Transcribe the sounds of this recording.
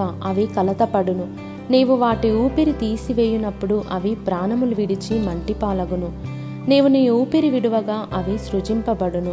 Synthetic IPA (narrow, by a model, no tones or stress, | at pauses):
aːʔɐʋikɐlɐt̪ɐpɐɽunu | neːʋuʋaːʈiuːpiɾit̪iːsiʋeːjinɐpːuɽuʔɐʋipɾaːnɐmuluʋiɽit͡ʃimɐɳʈipaːlɐɡunu | neːʋuniːuːpiɾiʋiɽuʋɐɡaːʔɐʋisɾut͡ʃimpɐbɐɽunu